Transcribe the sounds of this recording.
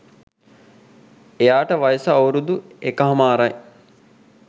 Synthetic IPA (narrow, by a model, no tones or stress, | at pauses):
ejaːʈəʋajəsəawɾud̪uekəɦɐmaːɾaj